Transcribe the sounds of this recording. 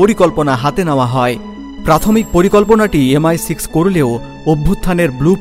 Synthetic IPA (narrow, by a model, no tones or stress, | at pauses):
oɾikɔlpɔnaɦat̪enawaɦɔe | pɾat̪ʰomik̚poɾikɔlpɔnaʈiemajsikskoɾuleo | obʱːut̪ʰːaneɾblu